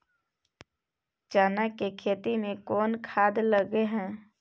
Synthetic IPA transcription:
t͡ʃaːnakekʰeːt̪imẽkɔːnkʰaːd̪ləɡeɦɛ̃ː

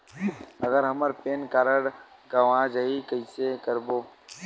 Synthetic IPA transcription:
ɐɡəɾɦɐməɾpeːnkaːɾəɽ | ɡɐʋãd͡ʒɐɦikəɪsekəɾboː

